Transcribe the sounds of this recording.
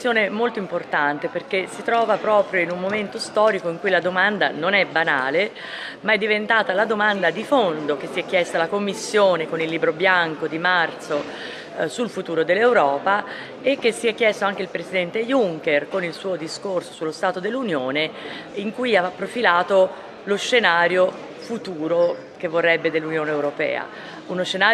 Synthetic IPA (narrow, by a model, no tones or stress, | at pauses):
joːnemolt̪oimport̪ant̪eperkesit̪ɾɔːvapɾɔːpɾjoinumːoment̪ost̪ɔːɾikoiŋkujlad̪omand̪a̰nonɛbːanaːle | maɛd̪ːivent̪aːt̪alad̪omand̪ad̪ifond̪ok̟esːiɛk̟ːjɛst̪alakomːisːjoːnekonilːiːbɾobjaŋkod̪imart̪so | sulfut̪uːɾod̪elːewɾɔːpa | ekːesːiɛkːjɛst̪oaŋk̟eilpɾesid̪ɛnt̪ejuŋkerkonilsuːod̪iskorsosulːost̪aːt̪od̪elːunjoːneiŋkujapːɾofilaːt̪o | losʃːenaːɾjo | fut̪uːɾo | k̟evːorːɛbːed̪elːunjoːneːwɾopɛ̰ːa̰ | unoʃːenaː